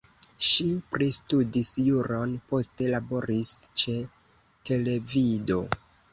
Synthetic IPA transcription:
ʃipɾistudisjuɾo̞npo̞ste̞labo̞ɾist͡ʃe̞ | tʰe̞le̞vido̞

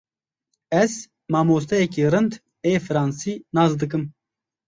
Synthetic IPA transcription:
ɛz | mɑːmoːs̬t̪ɛjɛkiːrɨnd̪ | eːfɨɾɑːnsiːnɑːzd̪ɨkɨm

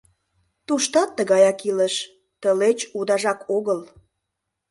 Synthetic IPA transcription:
t̪uʃt̪ɑt̪ːəɣɑjɑkiləʃ | t̪əlet͡ɕud̪ɑʒɑkʰoɣəl

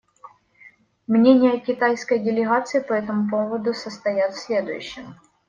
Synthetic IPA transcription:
mnʲenʲɪjəkʲɪt̪ajskəjdʲɪlʲɪɣat̪sɨɪpɐɛt̪əmʊp̬ovəd̪ʊsəst̪ɐjat̪fsʲlʲe̞d̪ʊ̰jʉ̰ɕːɪm

